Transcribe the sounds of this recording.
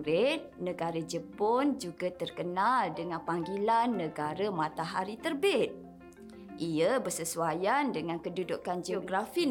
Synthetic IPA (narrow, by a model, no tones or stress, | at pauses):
ɾet̪̚nə̃ɡaɾəd͡ʒəpond͡ʒuɡat̪ərkənaldəŋãnpaŋɡilanːə̃ɡaɾəmãt̪aɦaɾit̪ərbɪt̪̚ | ʔiəbərsəsuajandəŋãnkədudukand͡ʒeoɡɾafi